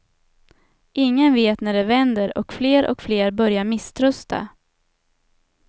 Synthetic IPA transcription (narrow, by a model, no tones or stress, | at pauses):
ʔɪŋːənveːt̪næɖɛvɛnd̪əɾɔ̰kfleːɾʔɔ̰kfleːɾbœɾjaɾmɪst̪ʰɾɵst̪ʰa̰